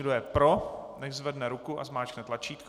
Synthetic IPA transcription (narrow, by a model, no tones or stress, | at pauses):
ɡdojɛpɾonɛʒzvɛdnɛɾukuʔazmaːt͡ʃknɛt̪lat͡ʃiːt̪k